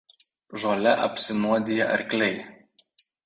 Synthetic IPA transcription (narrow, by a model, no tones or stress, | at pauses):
ʒoːlʲɛʔɐpʲsʲɪnuɔd̪ʲiːjɛʔɐɾʲklʲɛɪ